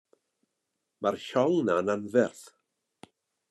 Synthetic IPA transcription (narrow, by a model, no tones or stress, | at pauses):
marʃɔlnananvɛrθ